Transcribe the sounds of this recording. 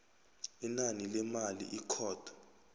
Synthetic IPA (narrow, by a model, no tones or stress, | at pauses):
inanilɛmalḭʔikʰɔːtʰḁ